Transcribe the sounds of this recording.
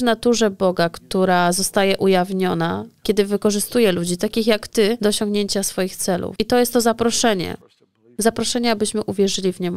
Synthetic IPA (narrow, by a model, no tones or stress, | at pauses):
nat̪uʐɛbɔɡakt̪uɾazɔst̪ajɛʔujavɲɔnakʲɛd̪ɘvɘkɔʐɘst̪ujɛlud͡ʑit̪akʲixjakt̪ɘd̪ɔːɕɔ̃ŋɡɲeɲt͡ɕasfɔjixt̪sɛlṵfit̪ɔjɛst̪ːɔzapɾɔʂɛɲɛ̰ | zapɾɔʂɛɲɛabɘɕmɘʔuvʲjɛʐɘlʲivɲɛm